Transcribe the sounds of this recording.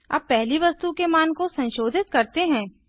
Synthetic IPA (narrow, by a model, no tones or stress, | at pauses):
ɐ̰b̚pɛɦliʋɐst̪ukemaːnkosɐ̃nʃoːd̪ʱɪt̪̚kɐɾt̪eɦɛ̃ː